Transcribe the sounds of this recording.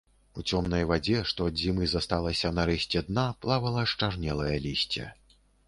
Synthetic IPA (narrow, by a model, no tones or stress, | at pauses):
ut͡sʲɔmn̪ɐjvad͡zʲɛʂt̪ɔɐd̪zʲimɨzɐst̪alˠɐsʲɐnɐɾɛsʲt͡sʲɛd̪naplˠavɐlˠɐʂt͡ʂarnʲɛlˠɐjɐlʲisʲt͡sʲɛ̰